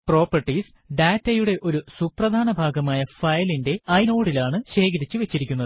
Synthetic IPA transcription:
pro̞ːpːɐrʈːis | ɖaːtːɐjuɽe̞ʔo̞ɾusuprɐd̪ʱaːnɐbʱaːɡɐmaːjɐfɐjlinde̞ɐino̞ːɽilaːɳɨɕe̞ːkɐɾit͡ɕːuʋe̞t͡ɕːiɾikʲːunːɐðɨ

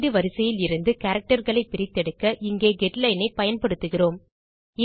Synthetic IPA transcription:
ðɯʋɐɾɪsɐjɪlɪɾɯnd̪ɯkaːɾɐk̚ʈɐɾɣɐɭɐɪpːɪɾɪt̪ːɛɽɯkːɐʔɪŋɡeːɡɛʈlɐɪnɐɪpɐjɐnpɐɽɯt̪ːɯɣɪroːm | ɪ

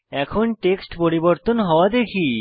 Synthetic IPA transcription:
ɛkʰonʈeksʈpoɾiboɾt̪onɦɔoad̪ekʰi

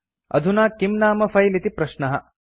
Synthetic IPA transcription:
ɐ̰d̪ʱunaːkimnaːmɐfɐjlit̪ipɾɐʃnɐɦɐ̰

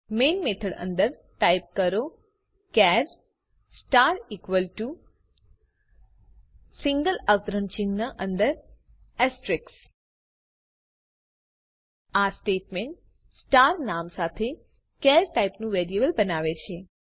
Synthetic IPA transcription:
menmet̪ʰəɽə̰nd̪əɾ | ʈaip̚kəɾo | kɛɾ | sʈaɾikʋəlʈu | siŋɡəlaʋt̪ɾənt͡ʃĩŋɡnaʔənd̪əɾ | ɛsʈɾɪks | asʈeʈmeɳʈ̚ | sʈaɾnamsat̪ʰe | kɛɾʈaipnũʋeɾiebəlbənaʋet͡ʃʰe

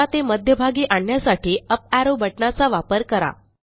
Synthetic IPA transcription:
at̪eməd̪ʱjəbʱaɡiːʔaɳjasaʈʰiːəp̚æɾobʱəʈɳat͡saʋapəɾkəɾa̰

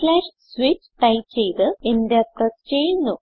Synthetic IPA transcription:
laːʂ | sʋit͡ɕːʈɐjt͡ɕːe̞jt̪ɨend̪eɐt̪ːɐst͡ɕe̞jːunːu

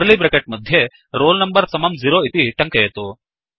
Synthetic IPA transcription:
ɾlibɾekeʈ̚mɐd̪ʱje | ɾoːlnɐmbɐɾsɐmɐmziɾoːit̪iʈɐŋkɐjɐt̪u

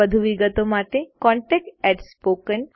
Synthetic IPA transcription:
əd̪ʱuʋiɡət̪omaʈ̪ekɔ̃ɳʈek̚ʈɛʈspokən

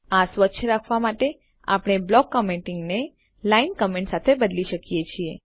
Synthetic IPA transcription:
asʋəːʃʰəɾakʰʋamaʈe | a̰pɽ̃ɳ̃eblɔɡːəmẽɳʈɪŋɡne | lainkəmẽɳʈsat̪ʰebəd̪liʃəkijet͡ʃʰie

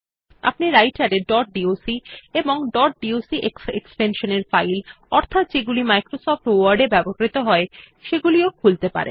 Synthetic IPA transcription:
a̰pniɾajʈaɾeɖɔʈ̚ɖiosieboŋɖɔʈ̚ɖiosiʔekḛkspenʃoneɾfajl | ɔɾt̪ʰat̪d͡ʑeɡulimajkɾosɔfʈwaɾɖebɛbokɾit̪oɦɔe | ʃeɡuliokʰult̪epa̰ɾḛn

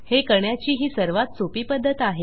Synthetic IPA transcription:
hekəɳjat͡ɕiːɦiːsəɾʋat̪̚t͡sopiːpəd̪ʱːət̪aɦe

